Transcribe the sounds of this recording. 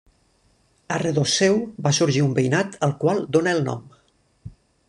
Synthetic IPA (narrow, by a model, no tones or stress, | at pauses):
ərəðosɛwbasuɾʒiumbəjnat̪əlˠkwalˠd̪onəːlˠnɔ̰m